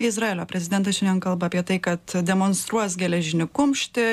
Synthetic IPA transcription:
ɪzɾɑeːlʲoːpʲɾʲɛzʲɪd̪ʲɛnt̪ɐʃʲɛnʲɛnkɐlˠbɐːpʲiɛt̪ɐɪkɐt̪d̪ʲɛmoːnst̪ɾuɔsɡʲɛlʲɛʒʲɪnʲɪkʊmʲʃʲt̪ʲɪ

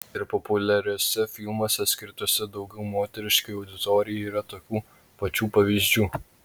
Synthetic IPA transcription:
ɪɾpɔpʊlʲɛɾʲɛsʲɛfʲɪlˠmoːsʲɛsʲkʲɪɾt̪oːsʲɛd̪ɒʊɡʲɛʊmoːt̪ʲɛɾʲɪʃkɐjɐʊd̪ʲɪt̪oːɾʲɪjiːɾɐt̪oːkʲuː | pɐt͡ʃʲuːpɐʋʲizʲd͡ʒʲuː

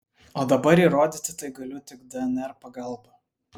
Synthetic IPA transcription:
oːd̪ɐbɐɾiːɾoːd̪ʲɪt̪ʲɪt̪ɐɪɡɐlʲʊt̪ʲɪkd̪ʲɛɛnʲɛɾpɐɡɐlˠˑbɐ

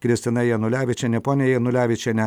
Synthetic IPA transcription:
kɾʲɪsʲt̪ʲɪnɐjɛnʊlʲæːʋʲɪt͡ʃʲɛnʲɛpoːnʲɪjɛjɛnʊlʲæːʋʲɪt͡ʃʲɛnʲɛ

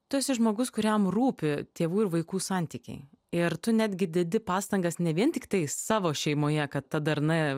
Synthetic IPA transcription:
t̪uɔsʲɪʒmoːɡʊskʊɾʲɛmruːpʲɪt̪ʲeːʋuːɪɾʋɐɪkuːsɑnʲt̪ʲiːkʲɛ̰ɪ | ɪɾt̪ʊnʲæːd̪ʲɡʲɪd̪ʲɪd̪ʲɪpɑːst̪ɐŋɡɐsnʲɛʋʲiɛnt̪ʲɪkt̪ɐɪsɑːʋoːʃʲɛɪmoːjɛkɐt̪ːɐd̪ɐɾnɐ

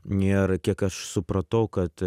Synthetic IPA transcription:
nʲeːɾkʲiɛkɐʃsʊpɾɐt̪ɐʊkɐt̪

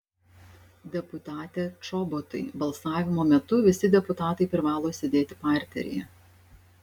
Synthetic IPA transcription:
d̪ʲɛpʊt̪ɑːt̪ʲɛːt͡ʃɔbɔt̪ɐɪbɐlˠsɑːʋʲɪmoːmʲɛt̪ʊʋʲɪsʲɪd̪ʲɛpʊt̪ɑːt̪ɐɪpʲɾʲɪʋɑːlˠoːsʲɛd̪ʲeːt̪ʲɪpɑˑɾʲt̪ʲɛ̰ɾʲɪ̰jɛ

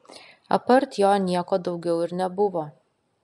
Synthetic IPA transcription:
ɐ̰pɐɾt̪joːnʲiɛkoːd̪ɒʊɡʲɛʊɪɾnʲɛbʊʋoː

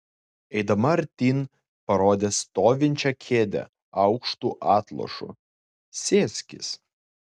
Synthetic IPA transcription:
ɛɪd̪ɐmɐɐɾʲt̪ʲiːn | pɐɾoːd̪ʲeːst̪oːʋʲɪnʲt͡ʃʲɛkʲʰeːd̪ʲɛ̰ | ɐʊkʃt̪uːʔɑːt̪lˠɔ̰ʃʊ̰ | sʲeːsʲkʲɪ̰s

